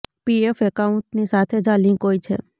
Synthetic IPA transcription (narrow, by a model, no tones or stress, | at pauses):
piefekauɳʈnisat̪ʰed͡ʒãlĩkɦojt͡ʃʰḛ